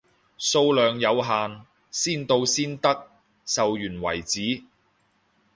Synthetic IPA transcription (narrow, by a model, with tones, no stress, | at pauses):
so˧wlœː˨˧ŋjɐ˨˧wɦaː˨n | siː˥nt̪o˧wsiː˥nt̪ɐ˥k̚ | sɐ˨wjyː˨˩nwɐ̰˨˩jt͡siː˨˥